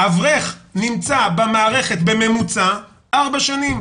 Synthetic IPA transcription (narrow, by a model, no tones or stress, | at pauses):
avʁeχnimt͡sabamaːʁe̞χet̪be̞me̞mut͡sa | ʔaʁbaʃanim